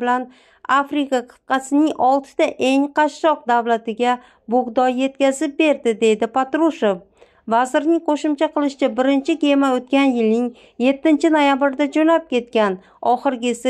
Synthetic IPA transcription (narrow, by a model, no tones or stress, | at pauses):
bɪlan | afɾɪkaqʰɨ̥t̪̚qɑsɪnɪŋɒlˠt̪ʰɪ̥d̪̥aʔe̞ŋqʰɑʃːɒq̚d̪avlat̪ɪɡʲa | bʊʁd̪ɒje̞t̪̚kʲazɪp̚be̞ɾd̪ɪd̪e̞jd̪ɪpat̪ɾuʃof | vazɪɾnɪŋqʰoʃʊmt͡ʃʰaqʰɨlˠɪʃɪt͡ʃabɪɾɪnt͡ʃʰɪkʲʰemaot̪̚kʲanjɪlnɪŋ | je̞t̪ːɪnt͡ʃʰɪno̞jabɪɾɪd̪ad͡ʒonap̚kʲʰe̞t̪kʲan | ɒχɨɾɡʲɪsɪ